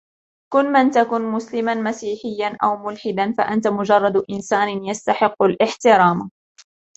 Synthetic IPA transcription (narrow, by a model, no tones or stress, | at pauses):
kʊnːmant̪akʊnmʊslɪmanmasiːħɪjːanʔa̰wmʊlħɪd̪anfa̰ʔant̪amʊd͡ʒɑrˤːɑd̪ʔɪnsaːnjast̪aħɪqːʊlʔɪħt̪ɪɾˤɑːm